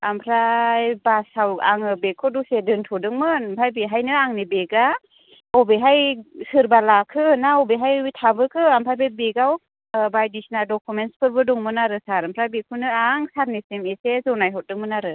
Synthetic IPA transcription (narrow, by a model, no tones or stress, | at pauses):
ampʰɾajbasawaŋɯbekʰɔdusedɯntʰɔdɯŋmɯnmpʰajbeɦajnɯaŋnibeɡa | ɔbeɦajsɯɾbalakʰɯnaɔbeɦajtʰabɯkʰɯampʰajbebeɡaw | bajdisnadɔkʰumenspʰɯɾbɯdɔŋmɯnaɾɯsaɾampʰɾajbekʰunɯaŋsaɾnesemesezɔnajɦɔt̚dɯŋmɯnaɾɯ